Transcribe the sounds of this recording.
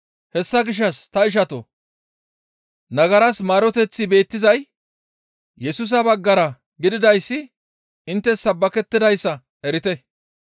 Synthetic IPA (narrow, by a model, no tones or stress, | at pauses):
hɛsːɐɡɪʃ̬ːɐst̪ɐɪʃ̬ɐt̪ɔ | nɐɡɐɾɐsmaːɾɔt̪ɛt͡sːɪbe̞ːt̪ːɪzɐj | jɛsʊs̬ɐbɐɡːɐɾɐ | ɡɪd̪ɪd̪ɐjsːɪ | ɪnt̪ːɛsɐbːɐkɛt̪ːɪd̪ɐjsːɐ | ɛɾɪt̪ɛ